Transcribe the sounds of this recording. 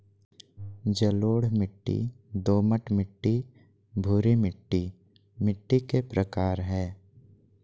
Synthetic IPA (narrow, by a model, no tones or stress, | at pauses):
d͡ʒəloːɽmɪʈːḭ | d̪oːməʈmɪʈːi | bʱuɾimɪʈːi | mɪʈːikepɾəkaːɾɦɛː